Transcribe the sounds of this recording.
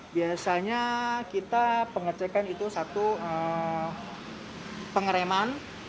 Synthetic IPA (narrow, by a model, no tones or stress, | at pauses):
biasaɲakit̪apəŋərt͡ʃekanit̪usat̪uə | pəŋəɾeman